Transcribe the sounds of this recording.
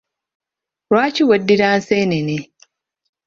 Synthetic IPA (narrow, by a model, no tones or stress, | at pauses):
ɾwaːciwedːiɾaːnseːnene